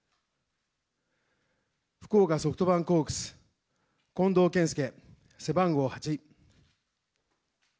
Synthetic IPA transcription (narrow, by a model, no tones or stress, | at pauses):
ɸɯ̥koːkaso̞kɯ̟̥t̪o̞βãŋko̞ːkɯ̟̥t͡sɨ̥ | kõ̞nd̪o̞ːkẽɰ̃s̬ɨ̥ke̞ | se̞bãŋɡo̞ːhat͡ɕi